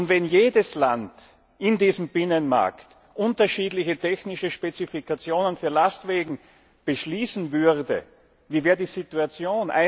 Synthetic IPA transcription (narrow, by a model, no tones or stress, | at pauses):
ʊntvɛnjeːdəslant | ʔɪndiːzm̩b̥ɪnənma̰ɐkt | ʔʊntɐʃiːdlɪçətʰɛçnɪʃəʃpet͡sifikʰat͡sjoːnənfyːɐlastv̥eːɡŋ̩ | b̥əʃliːsn̩vʏʁdə̰ | viːvɛːɐdiːzituat͡sjoːnʔa̰ɪ